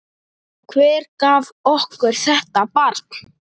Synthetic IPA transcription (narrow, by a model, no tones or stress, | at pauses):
kʰvɛːɾkaːvɔhkʏɾ̥θɛht̪apaɾt̪n̥